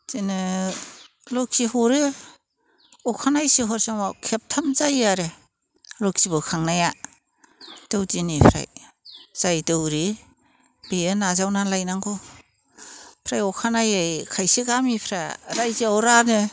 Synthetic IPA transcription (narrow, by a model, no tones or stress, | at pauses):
zinɯ | lɔkʰihɔɾɯ | ɔkʰanajsiɦɔɾsaŋwawkʰep̚tʰamzajaɾe | lɔkʰsibɯkʰaŋnaja | d̥ɯwdinipʰɾa̰j | z̥ajdɯwɾi | b̥eenazawnalajnaŋɡɔ | pʰɾajɔkʰanajajkʰajsiɡamipʰɾaɾajziawɾanɯ